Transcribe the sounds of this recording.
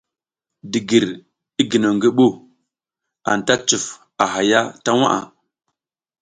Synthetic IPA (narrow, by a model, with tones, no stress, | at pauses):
di˨ɡi˨ɾ | i˦ɡi˨no˨ŋɡi˦ɓu˦ | a̰˨n˨ta˦t͡ʃu˨f | a˨ɦa˨ja˦ta˦wa̰˦ʔa̰˨